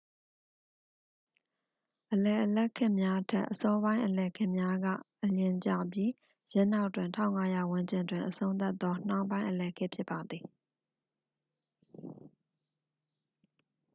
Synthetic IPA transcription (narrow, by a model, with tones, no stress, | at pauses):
ʔəlɛ˨ʔəlɛ˦ʔkʰɪ̃˦ʔmja˦tʰɛ̰˦˨ʔəsɔ˦bã˦ɪ̃ʔəlɛ˨kʰɪ̰̃˦ʔmja˦ɡä̰˦˨ʔəlɪ̃˨ɲt͡ɕa̰˦˨bji˦ | jɛ̃˦˨n̥a˦ʊʔtːwɪ̃˨ntʰã̰˦ʊ̃ŋa˦ja˨wʊ̃˦ɲd͡ʑɪ̃˨ndwɪ̃˨ʔəsʰõ˦ʊ̃nt̪a˦t̪ːɔ˦n̥a˦ʊpã˦ɪ̃ʔəlɛ˨kʰɪ˦ʔpʰjɪ˦pːa˨d̪ði˨